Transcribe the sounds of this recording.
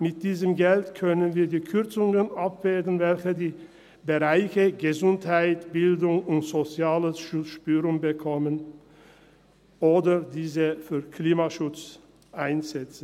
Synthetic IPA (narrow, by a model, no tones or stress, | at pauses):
mɪt̚d̥iːzəmɡɛltkʰœnənviːɐdiːkʰʏʁt͡sʊŋənapv̥eːdn̩vɛlçədiː | bəʁaɪçəɡəzʊnthaɪtb̥ɪldʊŋʊntz̥ot͡sjaːləsʃʊt͡sʃpyːʁʊŋbəkʰɔmən | ʔoːdɐdiːzəfyːɐkliːmaʃʊt͡s | ʔaɪnzɛt͡sn̩